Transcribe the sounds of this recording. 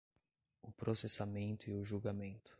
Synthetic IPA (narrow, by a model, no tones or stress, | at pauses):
ʊpɾosesamẽnt̪ʊiʊʒuɡamẽnt̪ʊ̥